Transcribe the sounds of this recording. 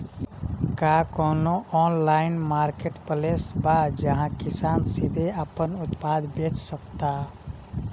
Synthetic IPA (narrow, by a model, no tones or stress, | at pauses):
kaːkɔːnoʔɔːnlaːɪnmaːɾkeʈpəlesbad͡ʒəɦãkɪsaːnsid̪ʱeapənʊt̪paːd̪beːt͡ʃsəkt̪a